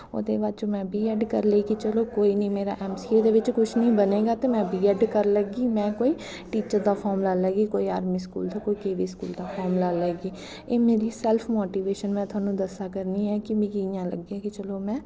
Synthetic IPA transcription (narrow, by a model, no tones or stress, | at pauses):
o̰ːd̪ḛːbaːd̪̚t͡ʃoːmɛ̃ːbʱiːɛɖkəɾleːɡiːt͡ʃəloːkoːiːnəĩːmeːɾa̰ːʔɛːmsiːed̪eːʋɪt͡ʃkʊt͡ʃʰnəĩːbəneːɡaːt̪eːmɛ̃ːbʱiːɛːɖkəɾləɡiːmɛ̃ːkoːiː | ʈiːt͡ʃəɾd̪aːpʰɔːmlaːlɛːɡiːkoːiːaːɾmĩːskṵːld̪aːkoːiːkeːʋiːskṵːld̪aːpʰɔːɾmlaːlɛːɡiː | eːmeːɾiːsɛːlpʰmoːʈiːʋeːʃənmɛ̃ːt̪ʰʊaːnũːd̪əsaːkəɾniːɛːkɪmẽːɡiɪjãːlə̰ɡiaːkɪt͡ʃəloːmɛ̃ː